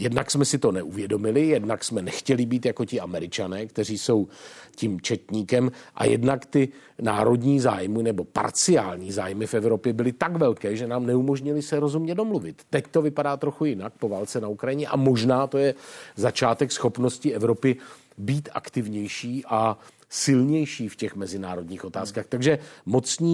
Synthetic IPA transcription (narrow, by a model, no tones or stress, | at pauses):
jɛdnaksmɛsɪt̪o̞nɛʔuvjɛdo̞mɪlɪjɛdnaksmɛnɛxcɛlɪbiːt̪jako̞cɪamɛɾɪt͡ʃanɛːkt̪ɛr̝iːso̞wcimt͡ʃɛt̪ɲiːkɛmʔa̰jɛ̰dnakt̪ɪ | na̰ːɾo̞dɲiːza̰ːjmɪnɛbo̞pa̰ɾt͡sɪaːlɲiːzaːjmɪfɛvɾo̞pjɛbɪlɪt̪akvɛlkɛːʒɛnaːmnɛumo̞ʒɲɪlɪsɛɾo̞zumɲɛdo̞mluvɪt̪ːɛct̪o̞vɪpadaːt̪ɾo̞xujɪnak̚po̞vaːlt͡sɛnaukɾajɪɲɛʔa̰mo̞ʒnaːt̪o̞jɛzat͡ʃaːt̪ɛksxo̞pno̞scɪʔɛvɾo̞pɪ | biːt̪ʔa̰kt̪ɪvɲɛjʃiːʔa | sɪlɲɛjʃiːfcɛxmɛzɪnaːɾo̞dɲiːxʔo̞t̪aːskaːxt̪aɡʒɛmo̞t͡sɲiː